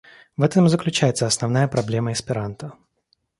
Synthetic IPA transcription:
vɛt̪əmzəklʲʉt͡ɕæjɪt̪səɐsnɐvnajəpɾɐblʲe̞məɪspʲɪɾant̪ə

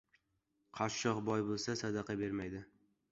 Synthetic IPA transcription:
qʰɑɾʃɒqbɒjbolˠsasad̪ɑqʰɑbe̞ɾmajd̪ɪ

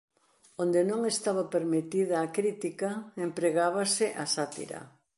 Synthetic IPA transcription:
ond̪enõŋest̪aβɐpeɾmet̪iðɐːkɾit̪ikɐempɾeɣaβasɪʔasat̪ḭɾɐ̰

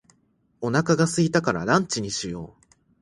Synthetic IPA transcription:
o̞nakaɡasɨɡʲit̪akaɾa̰nãɲt͡ɕiɲ̟iɕijo̞̰ː

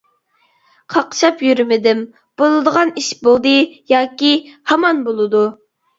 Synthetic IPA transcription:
qʰɑqʃɑpjyɾymɪd̪ɪm | b̥olˠɨd̪əʁɑniʃbolˠd̪ɨjɑːkʲihɑmɑnbolˠɨd̪u

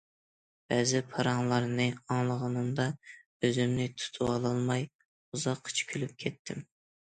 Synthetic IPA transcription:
b̥ɛzɪpʰɑɾɑŋlˠɑɾnɨɑŋlˠəʁɑnɨmd̪ɑ | øzɪmnɪt̪ʰu̥t̪ʰuɑlˠɑlˠmɑj | uzɑqʰːt͡ʃʰi̥kʲʰylyp̚kʲʰɛt̪ʰːɪm

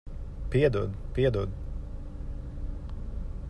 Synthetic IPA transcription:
piɛd̪ud̪piɛd̪ud̪

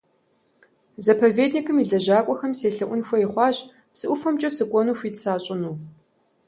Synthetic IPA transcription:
zɐpʰɐveːdnikʰɨmiːɮɐʑaːkʷʼɔxɐmseːɬɨʔʷʊnxʷɐiχʷɑːɕ | psɨʔʷʊfɐmt͡ʃʼɐsɨkʷʼɔnuːxʷiːtsaːɕʼɪnuː

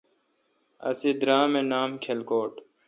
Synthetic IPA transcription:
ɐ̰sid̪ɾãːmenaːmkʰelkoːʈ

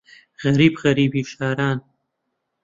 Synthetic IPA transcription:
ɣaɾiːbɣaɾibiʃɑːɾɑːn

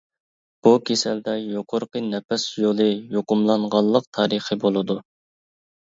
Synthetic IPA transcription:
b̥ukʲʰesɛld̪ɛjoqʰoɾqənɛpɛsjolˠɨjoqʊmlˠɑɴʁɑlˠːəq̚t̪ʰɑːɾəχəbolˠɨd̪u

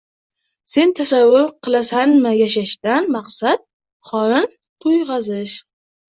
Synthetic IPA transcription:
se̞nt̪ʰasavːʊɾqʰɨlˠasanmɪjaʃaʃt̪anmɑqsat̪̚ | χɒɾɪn | t̪ʰʊjʁɑzɪʃ

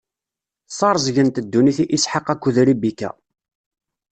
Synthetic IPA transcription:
sˤɑɾˤzˤʝənt̪əd̪ːuniθiʔisħaqːækʷːuðɾibikːæ̰

